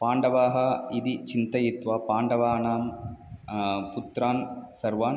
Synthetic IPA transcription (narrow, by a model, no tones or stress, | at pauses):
paːɳɖɐʋaːɦɐid̪it͡ʃint̪ɐjit̪ʋaːpaːɳɖɐʋaːnaːm | put̪ɾaːnsɐɾʋaːn